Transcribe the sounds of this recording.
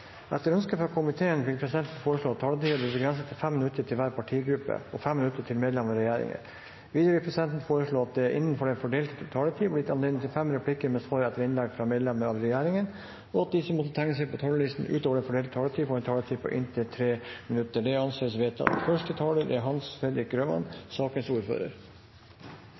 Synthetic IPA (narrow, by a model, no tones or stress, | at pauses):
ʔɛt̪ːəɾœnskəfɾɑkʰʊmɪt̪ʰeːənʋɪlpʰɾɛsɪd̪ɛnt̪n̩foːɾəʂɭoːɑt̪t̪ʰːɑːlət̪iːɑbliːbəɡɾɛnsət̪ɪfɛmːɪnʉt̪ːəʈʰɪlʋæːɾpʰɑʈʰiːɡɾʉpːə̰ɔfɛmːɪnʉt̪ːəʈʰɪlmeːd̪lɛməəɾɛjæːɾɪ̰ŋə̰ | ʋiːd̪əʋɪlpʰɾɛsɪd̪ɛnt̪n̩foːɾəʂɭoːɑt̪̚d̪ɛʔɪ̰nːənfɔɖɛnfɔɖeːlt̪t̪ʰɑːlət̪ʰiːblɪt̪ɑneːlnt̪ɪlfɛmɾɛpʰlɪkəɾmɛsʋɑːɾɛt̪ːəɾɪnlɛk̚t̪fɾɑmeːd̪lɛməɾɑʋ̪ɾɛjæːɾɪŋən | ɔɑt̪̚d̪ɪsəmːɔt̪ːət̪ʰæŋːəsɛɪpʰɔt̪ʰɑːləɭɪst̪n̩ʔʉ̰ːt̪ɔːʋəɖ̪ɛnfɔɖeːlt̪t̪ʰɑːlət̪ʰiːfɔɛnt̪ʰɑːlət̪ʰiːpʰɔ̰ʔɪ̰nt̪ʰət̪ʰɾeːmɪnʉt̪ːəɖɛɑnseːsʋeːt̪ʰɑ̰fœʂʈət̪ʰɑːləɾɛɦɑnsfɛd̪ɾɪk̚ɡɾøːmɑ̰nsɑːkənsuːɾfø̰ːɾə̰ɾ